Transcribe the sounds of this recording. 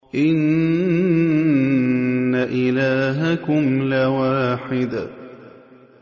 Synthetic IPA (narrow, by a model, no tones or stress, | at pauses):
ʔɪn | aʔɪlaːɦakʊmlawaːħɪd̪a